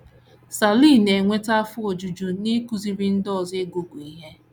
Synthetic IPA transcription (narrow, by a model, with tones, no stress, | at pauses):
sa˨li˦˨ne˨ŋʷe˦ta˦fʊ˦o˨d͡ʒu˨d͡ʒu˨ne˦ku˦zi˨ɾi˦n̩˦dɔ˦˨ze˦ɡo˨ɡu˨i˨ɦe˦